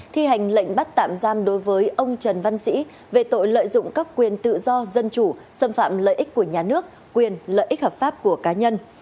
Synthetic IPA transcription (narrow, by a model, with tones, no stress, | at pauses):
t̪ʰi˧ha˨˩jŋ̟lə̰˧˨jŋ̟ɓa˦˥t̚t̪a̰ː˧˨mzaː˧mɗo˨˦jvəː˨˦jʔə˧wŋ͡mt͡ɕə˨˩nva˧nsḭ˧˥ | ve˨˩t̪o̰˧˨jlə̰ː˧˨jzʊ̰˧˨ŋ͡mkaː˦˥k̚kwi˨˩ənt̪ɨ̰˧˨zɔ˧zə˧nt͡ɕu˧˩ | sə˧mfa̰ː˧˨mlə̰ː˧˨jʔi˦˥k̟̚ku˧˩əɲaː˨˩nɨ˦˥ək̚ | kwi˨˩ənlə̰ː˧˨jʔi˦˥həː˨˩p̚faː˦˥p̚ku˧˩əkaː˨˦ɲə˧n